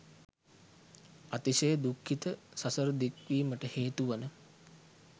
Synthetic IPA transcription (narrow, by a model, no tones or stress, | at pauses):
at̪iʃəjəd̪ukʰːit̪əsɐsəɾəd̪ikʋiːməʈəheːt̪uʋanə